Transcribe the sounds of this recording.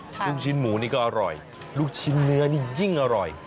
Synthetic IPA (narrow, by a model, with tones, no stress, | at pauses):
luː˥˩k̚t͡ɕʰi˧nmuː˩˦niː˥˩kɔː˥˩ʔa˧ɾɔ̰˨˩j | luː˥˩k̚t͡ɕʰi˧˥nːɯ˧˦˥ɐniː˥˩ji˥˩ŋʔa˧ɾɔ˨˩j